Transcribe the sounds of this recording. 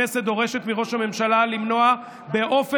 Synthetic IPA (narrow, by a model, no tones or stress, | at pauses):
esed̪o̞ʁe̞ʃet̪miʁo̞ʃhame̞mʃalalimno̞a | be̞ʔo̞fe